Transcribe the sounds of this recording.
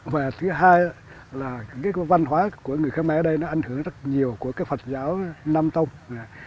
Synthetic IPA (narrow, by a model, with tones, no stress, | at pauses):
vaː˨˩t̪ʰɨ˨˦ɦaː˧ja˦ | laː˨˩kaː˨˦jva˧nɦwaː˨˦ku˧˩əŋɨ˨˩əjxa˦mɛ˨˦əː˨˦ɗə˧jnɔ˨˦ʔa˨˧jŋ̟hɨ˧˩əŋzə˦˥t̚ɲi˨˩əwku˧˩əkaː˨˦jfə˨˩t̚zaː˨˦wnaː˧mt̪ə˧wŋ͡ma˨˩